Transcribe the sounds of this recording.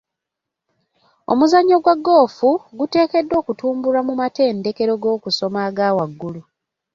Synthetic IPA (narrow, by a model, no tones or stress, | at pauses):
o̞̰muzaɲːo̞ɡwaɡːo̞ːfuɡute̞ːke̞dːo̞ːkutuːmbulamumate̞ːnde̞ke̞ɾo̞ɡo̞ːkuso̞maːɡaːwaɡːulu